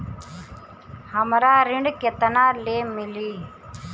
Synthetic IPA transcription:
həmɾaːɾɪɳɖket̪ənaːleːmɪliː

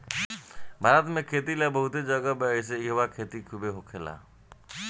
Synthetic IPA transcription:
bʱaːɾət̪mẽkʰeːt̪ilebəɦʊt̪ed͡ʒəɡabeɪs̬eɪɦʋakʰeːt̪ikʰubeɦokʰela̰ː

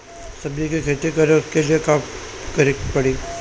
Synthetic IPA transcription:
sɐbikikʰeːt̪ekɐɾẽʊskelɪjekaːp | kɐɾikpɐɽi

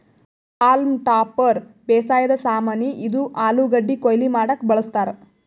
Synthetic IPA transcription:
aːlmʈaːpɐɾbeːsaːjɐd̪ɐsaːmɐniʔid̪uʔaːluɡɐɖːikojlimaːɽɐkbɐɭɐst̪aːɾe

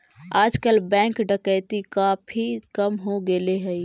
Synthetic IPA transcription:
ad͡ʒkəlbɛ̃ŋkɖəkət̪ikapʰikəmɦoɡeleɦəj

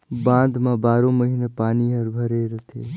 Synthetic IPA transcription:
bãnd̪mãbaːɾõməɦinəpaːniɦəɾbʱəɾeɾət̪ʰe

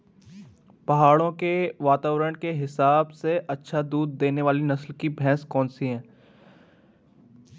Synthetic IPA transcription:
pɐɦaːɭõkeʋaːt̪aːʋɾəɽ̃keɦɪsaːbseʔɐtːʃʰad̪uːd̪ːeːneʋaːlinɐslkibʱɛ̃ːskɔ̃ːnsiɦɛ̃ː

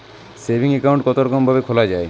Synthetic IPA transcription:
sebʱiŋekaw̃ɳʈ̚kɔt̪oɾɔkombʱabekʰolad͡ʑae

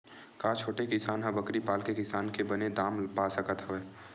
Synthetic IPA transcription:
kaːt͡ʃʰoːʈekɪsaːnɦɐbəkɾipaːlkekɪsaːnkebɐned̪aːmpaːsəkət̪ɦɐʋeː

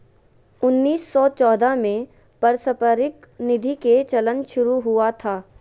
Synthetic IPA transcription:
ʊnːiːsːɔt͡ʃɔːd̪ʱamẽ | pəɾsəpəɾɪknɪd̪ʱiket͡ʃɐlənʃʊɾuɦʊat̪ʰaː

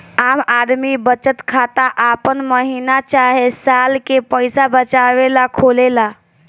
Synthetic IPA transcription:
amad̪mibət͡ʃət̪kʰat̪aʔapənməɦinat͡ʃaɦesalkepəjsabət͡ʃaʋelakʰolela

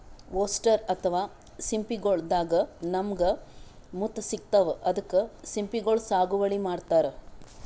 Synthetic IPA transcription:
ʋoːsʈɐɾɐt̪ʰɐʋaː | simpiɡoɭd̪aːɡɐnɐmɐɡɐ | mut̪ːɐsik̚t̪ɐʋʔɐd̪ɐkːesimpiɡoɭsaːɡuʋɐɭimaːɖt̪aːɾe

